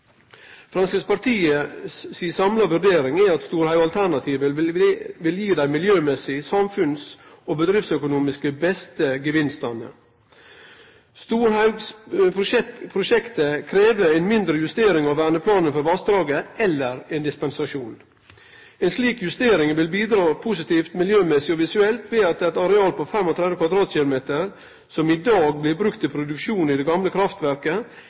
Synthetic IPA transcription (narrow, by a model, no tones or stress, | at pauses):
fɾɑnsəspɑɾt̪ʰiːəsːiːsɑmlɑʋʉɾɖ̪eːɾɪŋæɑt̪st̪uːɾhɑʉɑlt̪ʰæɳɑt̪ʰiːʋə | ʋɪljiːd̪æɪmɪljøːmɛsɪsɑmfʉnsoːbəd̪ɾɪftsœkʊnuːmɪskəbɛst̪əɡəʋɪnst̪ɑnə̰ | st̪uːɾhɑspʰʊɛpʰɾʊʃɛkt̪əkʰɾeːʋəɛnmɪnd̪ɾəjʉst̪eːɾɪŋɑʋʋæːɳəpʰlɑːnənfɔɾʋɑsd̪ɾɑːɡəɛlːəɾɛnd̪ɪspɛnsɑʂuːn | ɛnsliːkjʉst̪eːɾɪŋʋɪlbiːd̪ɾɑːpʰʊsɪt̪ʰiːft̪mɪljøːmɛsɪɔʋɪsʉɛlt̪ʋeːɑt̪̚d̪ɛt̪ɑɾɛɑːlpʰɔfɛmɔt̪ʰɾɛd̪əkʋɑd̪ɾɑːt̪ɕɪlʊmeːt̪əɾ | sɔmɪd̪ɑːɡ̚blɪbɾʉkt̪ʰɪlpʰɾʊd̪ʉkʃuːnɪd̪ɛɡɑmləkʰɾɑft̪ʋæɾkə